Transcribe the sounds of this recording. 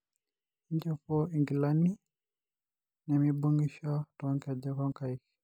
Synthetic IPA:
iɲd͡ʒɔpɔiŋɡilani | nɛmibuŋɡiʃɔtɔŋkad͡ʒɛkɔŋkaik

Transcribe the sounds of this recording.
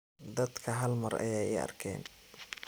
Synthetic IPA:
d̪ɐd̪kʰɐɦɐlmɐrɐ̰jɛjɪɐ̰rkʰɛ̰ːn

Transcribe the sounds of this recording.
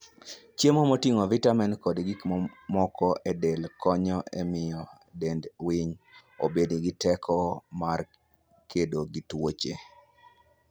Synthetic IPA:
t͡ʃjemɔmotiŋovitamɛnkɔdɡikmɔmɔkɔʔɛdelkɔɲɔʔɛmɪjɔ | dendwiɲo̰bediɡitɛkʰɔmar | kʰedoɡitwot͡ʃe

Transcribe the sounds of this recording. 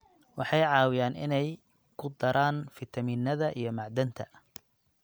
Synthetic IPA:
wɑħɑjʕɑːwɪjaːnɪ̰nɛj | kʰʊd̪ɐɾʔaːnfɪt̪ʰɐmiːnːɐðɐʔijɞmɑʕd̪ɐnt̪ʰɐ̥

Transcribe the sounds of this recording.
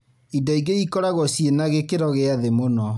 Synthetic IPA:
idaiɡeikɔɾaɣɔsienaɣekeɾɔɣeaðemonɔ

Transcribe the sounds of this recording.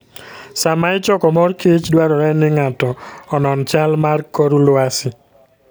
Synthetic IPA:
samaɪt͡ʃɔkɔmɔrkit͡ʃdwaɾɔɾɛnɪŋatɔɔnɔnt͡ʃalmarkɔɾulʊasɪ

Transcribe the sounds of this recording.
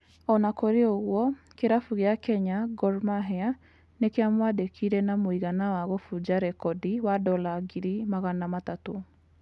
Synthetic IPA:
ɔnakoɾeoɣwɔ | keɾafuɣeakɛɲaɡɔɾmaɦɛa | nekeamwadekʰiɾɛnamoiɣanawaɣofud͡ʒaɾɛkɔdiwadɔlaɡiɾimaɣanamatato

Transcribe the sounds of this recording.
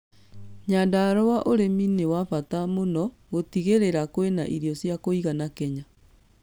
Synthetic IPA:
ɲaːndaɾɔwaʔoɾeminewafatamonɔ | ɣotiɣeɾeɾakoenaʔiɾjɔsjakoiɣanakɛɲa

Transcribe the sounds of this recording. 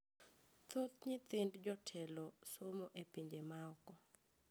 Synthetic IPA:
t̪ot̪ɲɪt̪ɪndd͡ʒɔtʰɛlɔsomoʔepiɲd͡ʒemaɔkɔ

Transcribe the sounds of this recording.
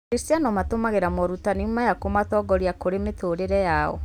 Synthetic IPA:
kɾistianɔmatomaɣeɾamɔɾutanimajakomatɔɡɔɾjakoɾemetoɾeɾɛjaɔ̰

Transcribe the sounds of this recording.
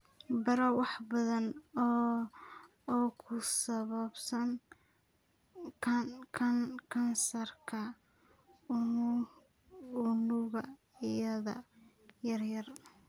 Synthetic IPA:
bɐɾɐwɑħbɐðɐn | kʰʊsɐβɐbsɐŋ | kʰɐnkʰɐnsɐrkʰɐ | ʊnʊɣɐ̰ | ɪjɐðɐ̰ | jɐrjɐr

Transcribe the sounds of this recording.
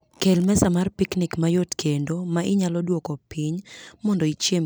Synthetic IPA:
kelmɛsamarpiknikmajotkʰendomaʔɪɲalɔdwokɔpiɲmɔndoit͡ʃjem

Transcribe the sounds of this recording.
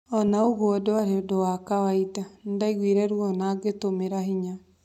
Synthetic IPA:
ɔnaoɣoɔdoaɾeodowakawaitandaiɣwiɾɛɾwɔnaɡetomeɾaɦiɲa

